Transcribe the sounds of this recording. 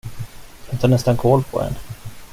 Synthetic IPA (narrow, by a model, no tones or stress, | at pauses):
vɛnt̪ʰaɳɛst̪ankʰɔːlpʰɔ̰dɛ̰n